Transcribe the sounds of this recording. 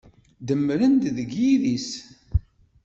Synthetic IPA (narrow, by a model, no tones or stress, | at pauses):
d̪əmːɾənd̪ðəɡjiðis